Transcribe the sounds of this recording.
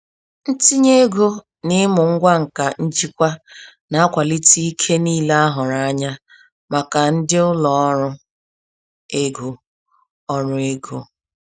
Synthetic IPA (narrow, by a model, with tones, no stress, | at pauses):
n̩˦ti˦ɲe˦ɡo˦ | nɪ˦mʊ˨ŋ̩˦ɡʷa˦ŋ̩˨ka˨n̩˦d͡ʒi˦kʷa˦ | na˨a˦kʷa˨li˦ti˦i˦kʰe˦niː˦le˦a˦ɦʊ˨ɾa˦a˦ɲa˦ | ma˨ka˨n̩˦dɪ˦ʊ˦lɔ˨ɔ˦ɾʊ˦ | e˦ɡo˨ | ɔ˦ɾʊ˨˦e˦ɡo˦